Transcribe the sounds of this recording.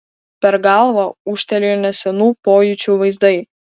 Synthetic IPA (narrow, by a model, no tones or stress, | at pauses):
pʲɛɾɡɑlˠʋɐuʃt̪ʲɛlʲejnʲɛsʲɛnupojut͡ʃʲuʋɐjzd̪ɐj